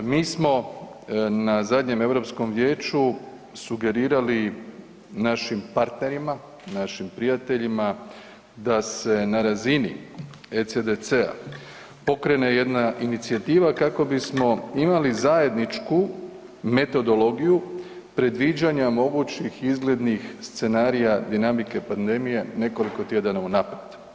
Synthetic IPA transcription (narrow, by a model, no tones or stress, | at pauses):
miːsmo̞ | nazad̪ɲe̞me̞ʋɾo̞psko̞mʋje̞ːt͡ɕu | suɡe̞ɾiːɾali | naʃimpaɾt̪ne̞ɾima | naʃimpɾijat̪e̞ʎima | d̪ase̞naɾazinḭ | et̪sed̪et̪sea̰ | po̞kɾe̞ne̞je̞d̪naʔinit̪siat̪iːʋakako̞bismo̞imalizaje̞d̪nit͡ʃku | me̞t̪o̞d̪o̞lo̞ɡiju | pɾe̞d̪ʋid͡ʑaɲamo̞ɡut͡ɕixizɡle̞d̪nixst̪se̞naːɾijad̪inamike̞pand̪e̞mije̞ne̞ko̞liko̞t̪je̞d̪anaunaped̪